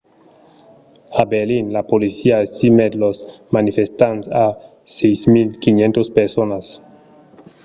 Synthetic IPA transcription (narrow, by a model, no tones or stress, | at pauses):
abeɾlinlapolisiaest̪imed̪losmanifest̪antsa | sejsmilkinẽnt̪ospeɾsonas